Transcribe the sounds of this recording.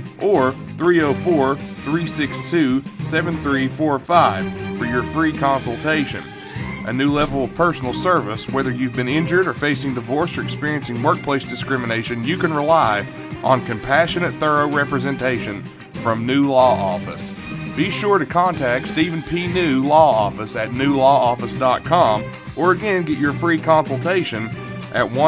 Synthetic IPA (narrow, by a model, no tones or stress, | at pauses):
ʔə˞ | θɹioʊfɔɹθɹisɪkstʰʉsɛvɨ̃nθɹifɔɹfaɪv̥fə˞jə˞fɹikʰɑ̃nsl̩ˠtʰeɪʃɨ̰̃n | ʔɨnʉlɛvl̩ˠʌv̥pʰɜ˞sn̩l̩ˠsɜ˞vəswɛðə˞jʉvbɨ̃nɪ̃nd͡ʒə˞ɾə˞feɪsɪ̃ŋdɨvɔɹsə˞ɨkspɪɹiɨ̃nsɪ̃ŋwɜ˞k̚pʰl̥eɪsd̥ɨskɹɪ̃mɨneɪʃɨ̃njɨkɨ̃nɹəlaɪ | ʔə̃nkɨ̃mpʰæʃɨnɨt̪̚θɜ˞oʊɹɛpɹɨzɨ̃ntʰeɪʃɨ̃n | fɹʌ̃mnʉlɔɔ̰fɨs | b̥iʃʊɹɾɨkʰɑ̃ntʰækstiṽn̩pʰinʉlɔɔfɨsɨtⁿnʉlɔɔfəsd̥ɑt̚kʰɑ̃m | ʔə˞ɨɡɛ̃nɡɛt͡ʃə˞fɹikʰɑ̃nsl̩ˠtʰeɪʃɨ̃n | ʔɨt̚wʌ̃